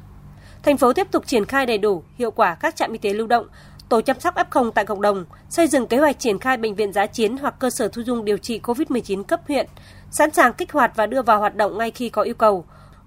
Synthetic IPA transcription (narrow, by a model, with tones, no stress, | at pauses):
t̪ʰa˨˩jŋ̟fo˨˦t̪i˦˥əp̚t̪ʊ˨˩k͡p̚t͡ɕi˧˩ənxaː˧jɗə˨˩jɗu˧˩hḭ˧əwkwaː˧˩kaː˦˥k̚t͡ɕa̰ː˧˨mʔi˧t̪e˨˦lu˧wɗə̰˧˨wŋ͡m | t̪o˧˩t͡ɕaː˧msa˦˥k͡p̚ʔaː˦˥p̚xə˧wŋ͡mt̪a̰ː˧˨kə̰˧˨wŋ͡mɗə˨˩wŋ͡m | sə˧jzɨ̰˧˨ŋke˨˦hwa˨˩k̚t͡ɕi˧˩ənxaː˧jɓə̰˧˨ŋ̟vḭ˧˨ənzaː˨˦t͡ɕi˨˦ənɦwa˨˩k̚ːəː˧səː˧˩t̪ʰu˧zʊ˧ŋ͡mɗi˨˩əwt͡ɕḭ˧˨ko˧vi˦˥t̚mɨ˨˩əjt͡ɕi˨˦nkə˦˥p̚hwḭ˧˨ən | sa̰˧˥nsaː˨˩ŋkï˦˥k̟̚hwaː˨˩t̚vaː˨˩ɗɨ˧əvaː˨˩whwaː˨˩t̚ɗə̰˧˨wŋ͡mŋa˧jxi˧kɔ˨˦ʔi˧əwkə˨˩w